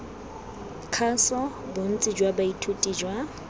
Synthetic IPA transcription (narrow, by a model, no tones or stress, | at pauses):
kʰasɔ | bʊn̩t͡sʼɪd͡ʒwabaitʰutʼiːd͡ʒwa